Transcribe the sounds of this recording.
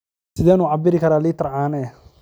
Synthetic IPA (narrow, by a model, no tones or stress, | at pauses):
sɪðɛːnuːʕabɪɾɪkʰɐɾaːlɪt̪ʰɐrʕaːnɛː